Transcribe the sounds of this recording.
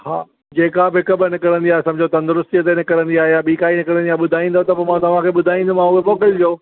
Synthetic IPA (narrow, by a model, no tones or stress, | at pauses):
haː | d͡ʑeːkabɪɦɪkəbnɪkəɽə̃nd̪iaːɦesɐmbʱd͡ʑʱot̪ɐ̃nd̪ɾʊst̪iət̪enɪkəɽə̃nd̪iaːɦejaɓiːkaːinɪkəɽə̃nd̪iaːɦeɓʊd̪ʱaːĩːn̆d̪ʱot̪ɐpoːmãt̪ɐʋ̤ãkʰeːɓʊd̪ʱaːĩːnd̪umãʊɦemoːkəld͡ʑoː